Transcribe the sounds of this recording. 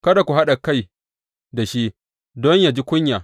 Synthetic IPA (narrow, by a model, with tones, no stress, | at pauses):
kɐ˦da˨kʷu˨ɦa˦ɗa˨ka˦j | da˨ʃi˦ | dɔ˦ɲja˨d͡ʒi˦kʷʊ˦ɲjaː˨